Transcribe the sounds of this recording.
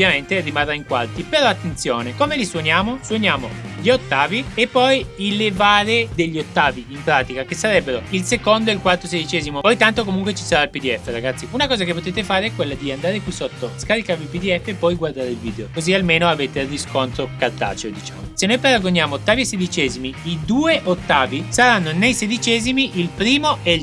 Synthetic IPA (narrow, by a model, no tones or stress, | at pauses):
bvjament̪erimarːaiŋkwart̪ipeɾɔat̪ːent̪sjoːnekomeliswonjaːmoswonjaːmoʎiot̪ːaːviepːɔjilːevaːɾed̪eʎːiot̪ːaːviimpɾaːt̪ikak̟esːaɾɛbːeɾoilsekond̪oeilkwart̪osed̪it͡ʃɛːzimopɔjt̪ant̪okomuŋkwet͡ʃi̥saɾailpid̪iɛfːeɾaɡat̪sːiunakɔːzakepːot̪eːt̪efaːɾeɛkwelːad̪iand̪aːɾekwisot̪ːoskaɾikaɾvilpid̪iɛfːeːpːɔjɡward̪aːɾeilvḭːd̪eokozialmeːnoaveːt̪eriskont̪ɾokart̪a̰ːt͡ʃeod̪it͡ʃa̰mosenːojpaɾaɡoɲjaːmoot̪ːaːviesed̪it͡ʃɛːzimiid̪uːeʔot̪ːaːvisaɾanːonejsed̪it͡ʃɛːzimiʔilpɾiːmoʔɛ